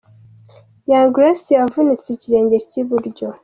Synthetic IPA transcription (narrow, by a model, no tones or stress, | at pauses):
jaŋɡɾasijavunit͡siciɾe̞ːɲɟe̞ciβuɾɟo